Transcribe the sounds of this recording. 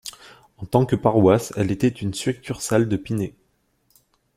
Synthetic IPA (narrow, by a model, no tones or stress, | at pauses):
ɑ̃t̪ɑ̃kəpaʁwasɛlet̪ɛt̪ynsyʁɛk̚t̪ʰyʁsald̪əpine